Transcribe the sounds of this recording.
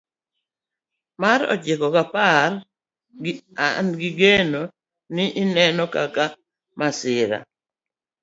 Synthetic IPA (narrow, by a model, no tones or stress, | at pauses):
maɾɔ̰t͡ʃɪkɔkapar | ɡanɡɪɡeno | nɪʔɪnɛnɔkaka | masɪɾa̰